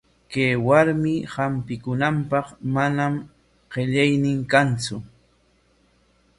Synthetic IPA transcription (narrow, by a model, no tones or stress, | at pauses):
kejwaɾmɪhampɪkʊnampɑqmanam | ɢeʎajnɪŋkant͡sʊ